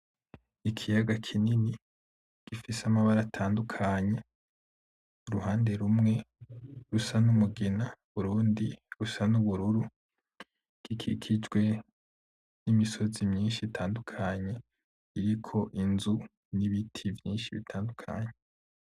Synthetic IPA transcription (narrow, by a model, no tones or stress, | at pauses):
ikʰijaɡakʰinini | ɡ̥ifisamaβaɾatʰaːndukʰaɲe̞ | uɾuhaːnde̞ɾumŋe̞ɾusanumuɡenauβuɾuːndiɾusanuβuɾuɾu | ɡ̥ikʰḭkʰid͡ʒɡwe̞ | nimiso̞zimɲiːnʃitʰaːndukʰaɲe̞ | iɾikʰo̞ʔinzu | niβitʰivjiːnʃiβḭtʰaːndukʰa̰ɲe